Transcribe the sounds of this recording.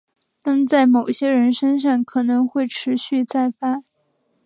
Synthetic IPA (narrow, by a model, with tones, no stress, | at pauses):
t̪a˥˧nt͡sa˥˩ɪmo˨˩ʊɕjɛ˥ɻə˧˥nʂə˥ŋʂ̬ɑ˥˩ŋkʰɤ˨˩nɤ˧˥ŋxwe˥˩ɪʈ͡ʂʰɻ̩˧˥ɕy˥˧t͡sa˥˩ɪfa˥